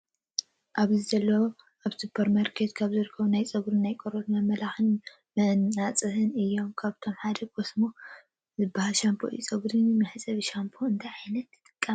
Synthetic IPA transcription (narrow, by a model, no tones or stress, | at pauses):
ʔaβzɨzɐlːɐwo | ʔaβsupʰːɐɾmaɾkʰet̪kʰaβzɨɾɨkʰːɐβunajt͡sʼɐɡɾɨnːajkʼoɾot̪mɐmɐlaxɨn | mɨnat͡sʼɨhɨnɨjːo̞mkʰaβt̪ʰo̞mħad̪ɐɡo̞smo | zɨbahalʃampʰoijut͡sʼɐɡɾɨnmɨħsʼɐβiʃampʰoɨnt̪ʰajʕajnɐt̪ːɨt̪ʼɨkʼːa